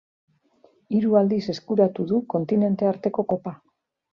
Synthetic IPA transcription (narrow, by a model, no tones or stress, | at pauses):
iɾuald̪ise̞skuɾat̪uðuko̞nt̪ine̞nt̪e̞aɾt̪e̞ko̞ko̞pa